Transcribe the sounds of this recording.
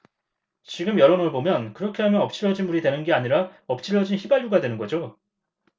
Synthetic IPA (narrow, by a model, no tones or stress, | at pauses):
t͡ɕiɡɯmjʌɾonɯɭbomjʌnkɯɾʌkʰe̞ɦamjʌnʌp̚t͡ɕ͈ʰiɭːʌd͡ʑinmuɾidwe̞nɯnɡeaɲiɾaʌp̚t͡ɕ͈ʰiɭːʌd͡ʑinçibaʎjuɡadwe̞nɯnɡʌd͡ʑo